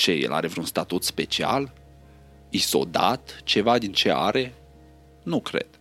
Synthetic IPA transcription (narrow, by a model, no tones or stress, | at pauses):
t͡ʃejḛlʔa̰ɾe̞vɾeunst̪at̪ut̪spe̞t͡ʃia̰l | iso̞̰d̪at̪t͡ʃe̞vad̪int͡ʃe̞a̰ɾe̞ | nukɾe̞̰d̪̥